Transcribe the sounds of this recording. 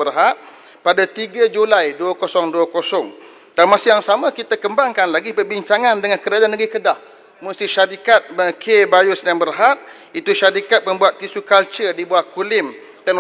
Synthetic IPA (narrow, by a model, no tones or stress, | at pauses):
ərɦat̪̚ | padat̪iɡad͡ʒulajduəkosɔŋduəkosɔŋ | danmãsɪjaŋsamə̃kit̪akəmbaŋkanlaɡipərbiɲt͡ʃaŋãndəŋankəɾad͡ʒanəɡikədah | must̪iʃaɾikat̪̚məkʰebajusnambərɦat̪̚ | it̪uʃaɾikat̪̚məmbuat̪̚ːisukalt͡ʃərdibuahkulɪm | t̪ɛn